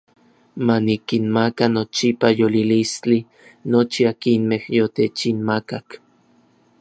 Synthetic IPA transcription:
manikinmakanot͡ʃipajolilist͡ɬi | not͡ʃiakinmehjot̪et͡ʃinmakak

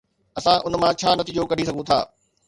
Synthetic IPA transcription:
ɐsãʔʊnmãt͡ɕʰaːnɐt̪iːd͡ʑokɐɽ̤is̬ɐɡʱũt̪ʰa̰ː

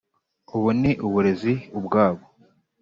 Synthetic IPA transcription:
uβuniʔuβuɾe̞ziubɡaːβo

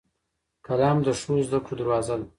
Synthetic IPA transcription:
kalɑːmd̪əʂozd̪akod̪əɾwɑːzal

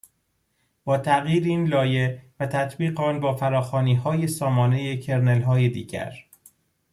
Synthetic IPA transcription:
b̥ɒːt̪ʰæɣjiːɾiːnlɒːje̞væt̪ʰæt̪ʰbiːɣeɒːnbɒːfæɾɒːxɒːniːɦɒːje̞sɒːmɒːne̞jecʰe̞ɾnelɦɒːjed̪ḭːɟæ̰ɾ

